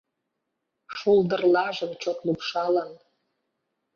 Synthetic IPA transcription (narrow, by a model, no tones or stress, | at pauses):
ʃuld̪ə̆rlɑʒə̆mt͡ɕot̪lupʃɑlən